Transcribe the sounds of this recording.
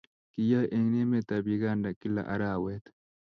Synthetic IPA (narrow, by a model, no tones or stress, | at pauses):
kijaʔeŋnemet̪abiɡaːndakila̰ʔɐ̰ɾaːwet̪